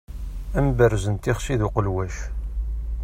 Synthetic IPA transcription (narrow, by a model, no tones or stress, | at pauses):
æmbərzənt̪ɪχʃiðuqəlwæʃ